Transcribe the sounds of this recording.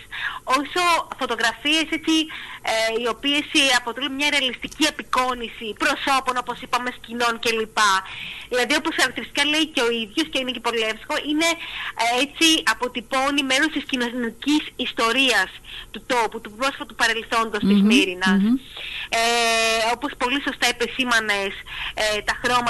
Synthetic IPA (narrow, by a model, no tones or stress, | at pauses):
so̞so̞fo̞t̪o̞ɣɾɐfie̞se̞t͡si | io̞pie̞sɐpot̪elunmɲɐɾeɐlist̪iciepiko̞nisipɾo̞so̞po̞no̞po̞sipɐme̞scino̞nce̞lipɐðilɐðio̞po̞sxɐɾɐkt̪iɾist̪ikɐle̞iceo̞iðʝo̞sceinecepo̞lefsko̞ʔine̞et͡siɐpo̞t̪ipo̞nime̞ɾo̞st̪iscinoncisist̪o̞ɾiɐst̪ut̪o̞put̪upɾo̞sfɐt̪upɐɾe̞lθo̞nd̪o̞st̪izmiɾinɐs | o̞po̞spo̞liso̞st̪ɐipe̞simɐneset̪ɐxɾo̞mɐ